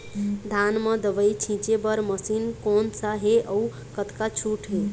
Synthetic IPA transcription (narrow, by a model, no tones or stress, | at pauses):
d̪ʱanmə̃d̪əʋəjt͡ʃʰĩt͡ʃebəɾməsinkonsaɦeʔəu | kət̪kat͡ʃʰuʈɦe